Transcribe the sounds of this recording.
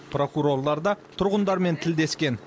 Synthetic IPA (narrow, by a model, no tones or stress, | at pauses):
pro̞kuɾo̞rlˠɑɾd̪ɑt̪ʰʊɾʁənd̪ɑɾme̞nt̪ʰɪld̪e̞skʲe̞n